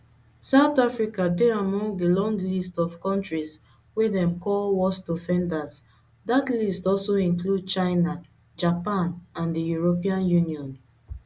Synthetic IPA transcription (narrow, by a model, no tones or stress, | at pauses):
saʊθafɹikadɛamɔ̃ŋdəlɔ̃ŋɡlistɔv̥kɔ̃ntɹis | wɛðɛ̃mkɔlwɔstofɛ̃ndas | datlistɔlsoĩnklud̚t͡ʃaɪna | d͡ʒapãnãndəjuɹopiãnjuniɔ̃n